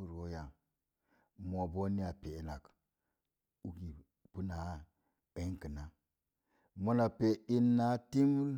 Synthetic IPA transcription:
u˦ɾwo˦ja˨ | mo˨bo˦ni˦a˨pe˨na˨k | u˦ɡi˨ | b̥u˦na˨˦ | ə˨˦kə˨na˦ | mo˦na˨pe˨i˦nːa˦ti˦mu˦l

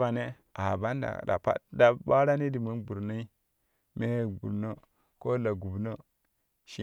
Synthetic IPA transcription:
a˨ne˦ | a˨ba˦nda̰˨da̰˨pa̰˦d̚da˨ɓa˦ɾa˦ne˦di˨mu˦nbu˨ɾno˦i˦ | me˦˨bṵ˨ɾno˦ | ko˦la˨ɡu˨bno˦ | ʃi˨

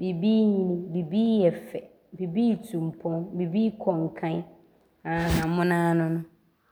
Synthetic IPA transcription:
be˨biː˦ɲĩ˦nĩ˦be˨biː˦ɛ˨fɛ˨ | be˨biː˦˨tʰũ˨m̩˨pʰɔ̃˦nbe˨biː˦kʰɔ˨ŋ̩˨kʰã˦ | ã˨a˨˦mʊ̃˦nãː˦nʊ̃˦nʊ̃˦

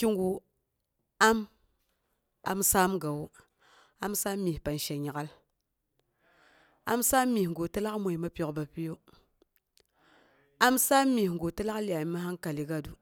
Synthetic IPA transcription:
ki˦ŋɡu˨ | a˦m | a̰˨msaː˦mɡa˨wo˦ | a˦msa˦mːi˨pa˨n˨ʃa˨ɲa˨ɡa˦l | a̰˦msa˦mːi˨ŋɡo˨ta˦la˦kmʷo˨i˨ma˦pʲo˨kba˨pi˦jo˦ | a˦msa˦mːi˨ŋɡo˨ta˦la˦kli˨a˨mi˨˦ma˦ɦa˦nka˨li˨ɡa˦du˨

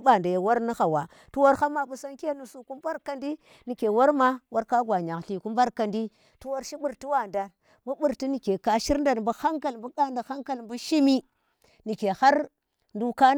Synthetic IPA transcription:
ɓa˨nda˨ja˨wa˦ɾni˦xa˨wa˨ | tu˦wa˦ɾxa˦ma˨ɓu˦sa˦nke˦nu˨su˨ku˦mba˦ɾka˨ndi˦ | ni˨ke˨wa˦ɾma˦wa˦ɾka˦ɡʷa˨ɲa˨kɬi˨ku˦mba˦ɾka˨ndi˦ | tu˦wa˦ɾʃi˦ɓu˦ɾti˦wa˨nda˨ | mbu˦bu˨ɾti˦ni˨ke˨ka˨ʃi˦ɾnda˨nmbu˦ha˦ŋka˨lmbu˦ka˦nda˨xa˦ŋka˨lmbu˦ʃi˦mi˦ | ni˨ke˨ha˦ɾ | ndu˦ka˦

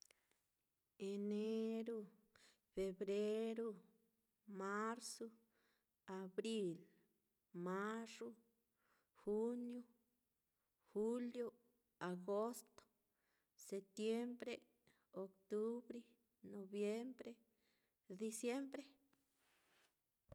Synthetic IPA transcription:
e˨ne˦ɾo˦ | fe˧bɾe˦ɾo˦˧ | ma˦ɾso˦ | a˨bɾi˦l | ma˦so˦ | xu˦njo˦ | xu˦ljo˦ | a˨ɡo˦st̪o̥˦ | se˨p̚t̪je˦mbɾe˦ | o˨˧kt̪u˦bɾe˦ | no˨bje˦mbɾe˦ | d̪i˧sje˦mbɾe˦

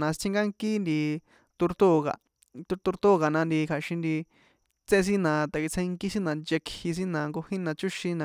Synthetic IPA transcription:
nã˨˧st͡sʰĩ˧ŋɡa˦ŋki˦nd̪i˧ | t̪u˧ɾt̪u˦˨ɣa̰˨ | tu˧t̪u˧ɾt̪u˦˨ɣa˨nã˧nd̪i˧kʰa˨ʃĩ˧nd̪i˧ | t͡sẽ˦˧s̬i˦nã˨t̪a˨ki˧t͡sʰẽ˧i˧ŋki˦si˦nã˨˧nd͡ʒe˧khi˧s̬i˦nã˨ŋɡo˧hĩ˦nã˨˧t͡ʃu˦ʃĩ˧nã˨

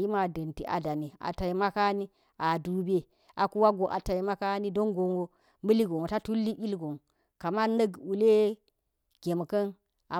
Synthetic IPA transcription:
ji˦ma˨dɐ˨nti˨ʔa̰˨da˨ni˨a̰˨ta˨ji˨ma˦ka˦ni˦ | a˨du˨be˦ | ʔa˨ku˦wa˦ɡo˨ʔa̰˨ta˨i˨ma˦ka˦ni˦do˦ŋɡo˨ŋwo˨ | mə˦li˦ɡo˨ŋo˨ta˦tu˦lːi˦ʔi˦lɡo˨ŋ | ka˨ma˦nə˦ɡu˨le˦ | ɡ̥ʲe˨m˨kɐ˦n | a˨

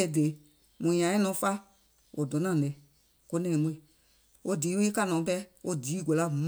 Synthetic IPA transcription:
ɛ˧˦˨de˨˦ | mũ˨ɲã˨˦ɛ̃˦nɔ̃˨˧˦fa˦ | wo˨dɔ̃˨˦nã˨lɛ˨ | ko˧˦nɛ̃˧ĩ˨˦mũ˧˦e˨ | o˦diː˨˦we˦ka˧˨nɔ̃ː˨˦pɛ˦o˦diː˨˦ɡo˨la˦m

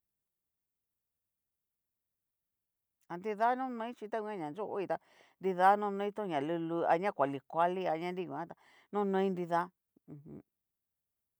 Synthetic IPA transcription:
a˧nd̪i˧ða˦nũ˦nõ˧˦ĩ˦t͡ʃi˧t̪a˦kʷã˦˧ɲã˨nd͡ʒo˦ʔo̰˧i˧t̪a˧ | nd̪i˧ða˦nũ˦˧nõ˧ĩ˦t̪ũ˦˧ɲã˨lu˧lu˧a̰˧ɲã˦kʷa˨li˧kʷa˧li˦a˧ɲã˦ndi˦˧kũ˨ã˦t̪a˧ | nũ˦˧nõ˧ĩ˦nɾi˧ðã˦˧

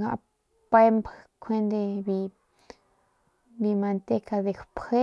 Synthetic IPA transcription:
ɡa̰˧ʔ | pe˦mbkʰʷe˦nd̪e˧bi˧ | bi˧ma˧nt̪e˦ka˧d̪e˨kpʰe˦

